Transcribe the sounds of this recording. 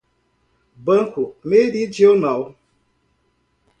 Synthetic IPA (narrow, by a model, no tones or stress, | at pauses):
bəŋ̩kumedid͡ʒonaw